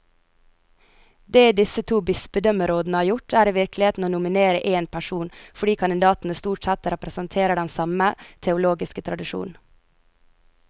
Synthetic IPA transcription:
d̪eːd̪ɪsət̪ʰuːbɪsbəd̪œməɾoːd̪nəhɑːɾjʊʈʰæːɾiːʋɪɾklɪheːt̪n̩oːnʊmɪneːɾəʔeːnpʰæʃuːnfɔɖiːkʰɑnɪd̪ɑːt̪n̩əst̪uːʈsɛt̪ɾɛpɾəsənt̪ʰeːɾəɖɛnsɑmət̪ʰɛʊloːɡɪskət̪ʰɾɑd̪ɪʃṵːn̩

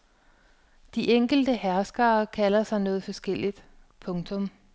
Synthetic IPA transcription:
d̥iʔeŋ̰ɡ̥l̩d̥əhæɐsɡ̥ɐːkʰælɐsɑ̈ɪnɔ̽ːð̞̩ˠfɒ̽sɡ̥el̰id̥ | pʰɔ̽ŋt͡sʰɔ̽m

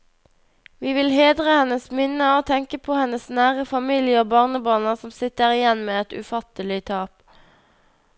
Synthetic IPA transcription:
ʋiːʋɪlheːd̪ʁəhɛnəsmɪnəoːt̪ʰɛŋkəpʰoːhɛnəsnæːʁəfɑmiːljəoːbɑːʁnəbɑːnəsɔmsɪt̪əʁɪjɛnmeːɛt̪ʉ̰fɑt̪əlɪt̪ʰɑːp

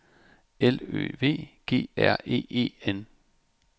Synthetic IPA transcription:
elø̰ːʋe̝̰ːɡ̥e̝̰ːæɐ̰e̝̰ːe̝̰ːen

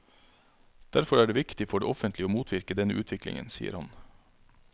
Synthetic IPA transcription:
d̪̥æɾfɔɾæːɖeːʋɪkt̪ɪfɔɖḛːɔfənt̪ʰlɪoːmuːt̪ʰʋɪɾkəd̪ɛnəʔʉːt̪ʰʋɪklɪ̰ŋə̰nsḭːə̰ɾhɑn

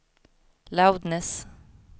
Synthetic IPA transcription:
lawd̪nɛs

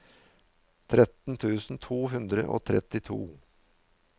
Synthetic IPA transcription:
t̪ʰɾɛt̪n̩t̪ʰʉːsn̩t̪ʰuːɦʉnd̪ɾə̰ʔo̰ːt̪ʰɾɛ̰t̪ɪt̪ʰṵː

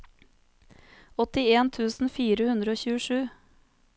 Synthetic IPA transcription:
ɔt̪ɪeːnt̪ʰʉːsn̩fiːɾəhʉnd̪ɾəoːçʉːəʃʉː

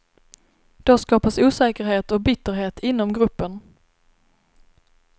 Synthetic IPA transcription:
d̪̥ɔskɑːpasuːsɛːkəɾɦeːt̪ɔbʏt̪ːəɾɦeːt̪ʰɪnːɔmɡɾɵpːən

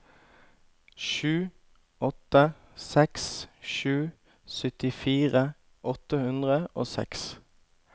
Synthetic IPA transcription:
ʃʉː | ɔt̪ə | sɛksʃʉː | sœt̪ɪfiːʁə | ʔɔt̪əhʉnd̪ʁəo̰ːsɛ̰ks

